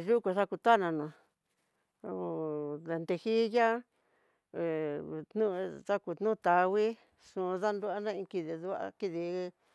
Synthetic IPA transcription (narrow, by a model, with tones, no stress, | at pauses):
ʒu˦ku˧ʂa˦ku˧t̪a˦˨nã˧nã˨˧ | ðe˧nd̪e˧hi˦ja˦˨ | t̪nũ˦ða˦ku˧˨t̪nũ˦˧t̪a˨˧wi˦ | ʂũ˧ða˦nd̪u˦a˦nã˦ĩ˧ki˧ði˧ðu˦a̰˧ki˧ði˧